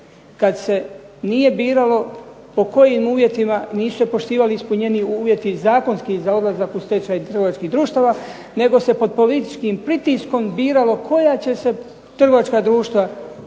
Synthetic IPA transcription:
kad̪se̞ | nije̞biːɾalo̞ | po̞ko̞jiːmuːʋje̞t̪imaniːsu̥se̞po̞ʃt̪iːʋaliispuɲe̞niuːʋje̞t̪izaːko̞nskizao̞d̪lˠazakust̪et͡ʃaːjt̪ɾr̩ɡo̞ʋat͡ʃkiːɦd̪ɾuːʃt̪aːʋaː | ne̞ɡo̞se̞po̞d̪̚po̞lit̪i̥t͡ʃkiːmpɾit̪isko̞mbiːɾalo̞kʰo̞jat͡ɕe̞se̞ | t̪r̩ɡo̞ʋat͡ʃkaːd̪ɾuːʃt̪ʋa

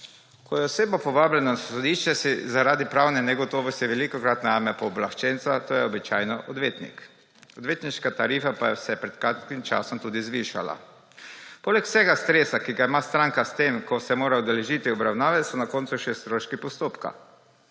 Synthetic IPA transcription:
kɔjɛɔseːbɔpɔʋaːblɛnɔsɔd̪iʃt͡ʃɛsizaɾaːd̪ipɾawnɛnɛɡɔt̪ɔːʋɔst̪jɛʋɛlikɔkɾat̪najamɛpɔːblaxt͡ʃɛnsat̪oːjɛɔbit͡ʃaːjnɔʔɔd̪ʋeːt̪nḭk | ɔd̪ʋeːt̪niʃkat̪aɾifapajɛsɛɛpɾɛt̪kɾat̪kimt͡ʃa̰sɔmt̪uːd̪izʋiʃa̰la̰ | poːlɛksɛɡast̪ɾeːsakiɡaimast̪ɾaŋkast̪emkɔsɛmoːɾaud̪ɛlɛʒit̪iɔbɾawnaːʋɛsɔnakoːnt̪suʃɛst̪ɾoʃkipɔst̪oːpka̰

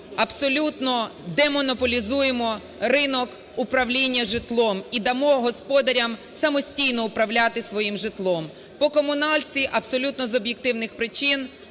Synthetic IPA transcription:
ɐbsɔlʲut̪nɔd̪ɛmɔnɔpɔlʲizujemɔ | rɪnɔk | ʊpɾɐwlʲinʲːɐʒɪt̪lˠɔmid̪ɐmɔɦɔspɔd̪ɐɾʲɐm | sɐmɔsʲtʲijnɔʊpɾɐwlʲat̪ɪsʋɔjimʒɪt̪lˠɔm | pɔkɔmʊnɑlʲt͡sʲiʔɐbsɔlʲut̪nɔzɔbjek̚t̪ɪwnɪxpɾɪt͡ʃin

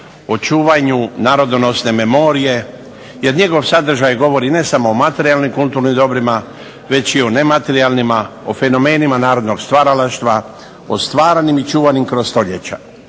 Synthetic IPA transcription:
ot͡ʃuːʋaɲunaːɾo̞d̪ono̞sne̞me̞mo̞ɾije̞ | je̞ɾɲe̞ɡo̞ʋsad̪r̩ʒajɡo̞ʋo̞ɾine̞samo̞omat̪e̞ɾialˠnimkult̪uːɾnimd̪o̞bɾima | ʋe̞t͡ɕione̞mat̪e̞ɾialnimaofe̞no̞meːnimanaːɾod̪no̞ɡst̪ʋaːɾalaʃt̪ʋa | ost̪ʋaːɾanimit͡ʃuːʋanimkɾozst̪o̞ʎḛt͡ɕa̰

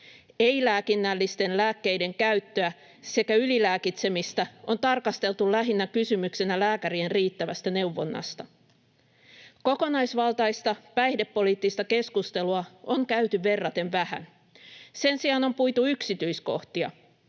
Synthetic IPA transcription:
eilæːkinːælːist̪e̞nlæːkːe̞jde̞ŋkæyɥt̪ːøæ | se̞kæylilæːkit̪se̞mist̪æo̞nt̪ɑrkɑst̪e̞lt̪ulæɦinːækysymyksenælæːkæɾienriːt̪ːæʋæst̪æne̞wʋo̞̰nːɑ̰st̪ɑ | ko̞ko̞nɑjsʋɑlt̪ɑist̪ɑpæjhdepːo̞liːt̪ːist̪ɑke̞skust̪e̞luɑoŋkæyt̪yʋe̞rːɑt̪e̞nʋæhæ̰n | se̞nsiɑno̞mpujt̪uyksit̪yjsko̞̰ht̪iɑ̰

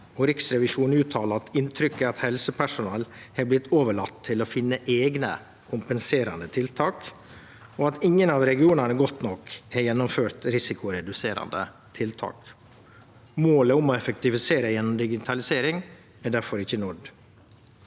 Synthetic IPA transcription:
ɔɾɪksɾɛʋɪʂuːnʉːt̪ʰːɑːləɑt̪ɪnt̪ʰɾʏkːəɑt̪hɛlsəpʰæʂʊnɑːlhɛːblɪt̪ːʰoːʋəɭɑt̪ʰːɪlɔfɪnːəʔeːɡnə̰ | kʰʊmpənseːɾɑnd̪ət̪ʰɪlt̪ʰɑːk | ɔɑt̪ɪŋːənɑʋɾɛɡɪuːnəɳəɡɔt̪ːnɔkɛjɛnːɔmføːɾt̪ɾɪsɪkʊɾɛd̪ʉseːɾɑ̰nd̪ə̰ | t̪ʰɪlt̪ʰɑ̰ːk | moːləɔmɔɛfəkt̪ɪfɪseːɾəjɛnːɔmd̪ɪɡɪt̪ʰɑlɪseːɾɪŋ | æɖæɾfɔɾɪçːənʊɖ

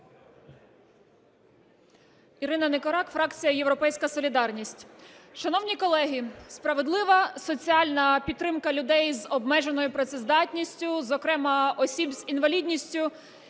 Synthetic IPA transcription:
iɾɪnɐnekɔɾɑkfɾɑkt͡sʲijɐjewɾɔpɛjsʲkɐsɔlʲid̪ɑrnʲisʲtʲʃɐnɔwnʲikɔlˠɛɦʲispɾɐʋed̪lˠɪʋɐsɔt͡sʲiɑlʲnɐpʲit̪t̪ːɾɪmkɐlʲʊd̪ɛjzɔbmɛʒe̞nɔjʊpɾɐt̪sɛzd̪ɑtʲnʲisʲtʲʊzɔkɾɛmɐɔsʲibzinʋɐlʲidʲnʲisʲtʲʊ

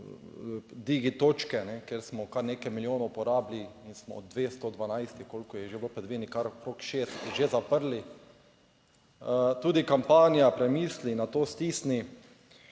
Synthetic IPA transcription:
d̪iːɡit̪oːt͡ʃkɛnɛkeɾsmɔkaɾnekɛjmiljoːnɔupɔɾaːbliinsmɔɔd̪̚d̪ʋeːst̪od̪ʋanajst̪ikolkɔjɛʒeblopɛd̪ʋenikaɾkɾokʃeːst̪t̪iʒezapəɾli | t̪uːd̪ikampaːnijapɾɛmiːslinat̪oːst̪iːsni

